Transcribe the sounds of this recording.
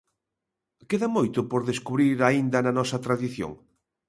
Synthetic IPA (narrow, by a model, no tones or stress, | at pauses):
keðɐmojt̪ʊpoɾðeskuβɾiɾaind̪ɐnɐnɔsɐt̪ɾaðiθjo̰ŋ